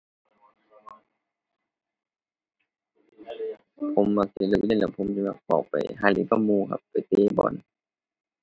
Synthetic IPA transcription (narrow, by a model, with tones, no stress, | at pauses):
pʰo˧˦mːa˧˩k̚si˧˩˨lɯ˧˩k̚je˧˨lɛː˧˩wpʰo˧˥˦msi˧˦ma˧˩k̚pɔ̰˨˩wpa˨jɦaː˧˩lḭ˧˦pʰa˧˨muː˧kʰa̰˧pːa˨jt̪eː˧bɔ̰ː˨˦n